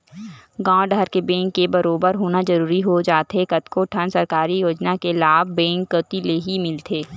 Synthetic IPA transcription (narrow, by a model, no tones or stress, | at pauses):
ɡãːɖʱəɾkebɛ̃ːŋkːebɐɾoːbəɾɦoːnazɐɾuːɾiɦod͡ʒaːt̪ɦekɐt̪kʰoʈʰənsɐɾkaːɾijoːd͡ʒnakelaːbbɛ̃ːŋkːət̪ileɦimɪlt̪ʰeː